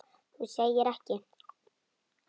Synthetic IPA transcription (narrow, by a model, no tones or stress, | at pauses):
husejɪɾɛhcɪ